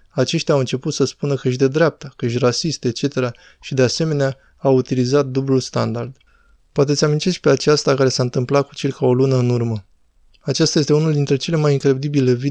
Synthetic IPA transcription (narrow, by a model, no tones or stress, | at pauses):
at͡ʃe̞ʃt̪ʲawɨnt͡ʃe̞put̪səspunəkəʃ̬ʲd̪e̞d̪ɾeap̚t̪akəʃ̬ʲrasist̪e̞t͡ʃe̞t̪e̞ɾa | ʃid̪e̞ase̞me̞nea | awut̪ilizat̪̚d̪ublulst̪and̪ard̪̥ | poat̪̬e̞t̪sʲamint̪eskʲpe̞at͡ʃast̪akaɾe̞saɨnt̪ɨmplat̪̚ku̥t͡ʃelʲkʰao̞lunəɨnurmə | at͡ʃast̪aje̞s̬t̪e̞unuld̪int̪ɾe̞t͡ʃe̞le̞majiŋkɾe̞d̪ibile̞vi